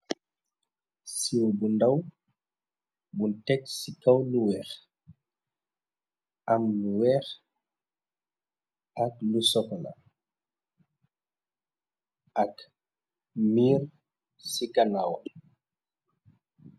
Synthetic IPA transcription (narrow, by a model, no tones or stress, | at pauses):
siwbundaw | buntɛksikɐwluwɛːx | amluwɛːx | ʔaklusɔkɔla̰ | ʔɐk | miːɾ | sikanawal